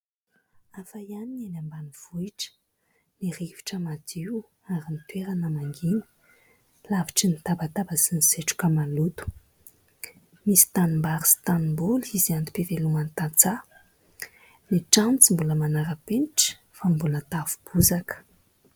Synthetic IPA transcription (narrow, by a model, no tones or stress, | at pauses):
afajaninenambaniv̥uiʈ͡ʂə̥ | niɾivi̥ʈ͡ʂəmad̪iw | aɾinit̪weɾanəmaŋɡinə̥ | laviʈ͡ʂinit̪abat̪abasiniz̥eʈ͡ʂu̥kamalut̪u̥ | misi̥t̪animbaɾist̪animbuliziand̪i̥peveluŋant̪at͡sa | niʈ͡ʂant͡simbuləmanaɾəpeniʈ͡ʂə̥ | fambulət̪avu̥b̥uzakə̥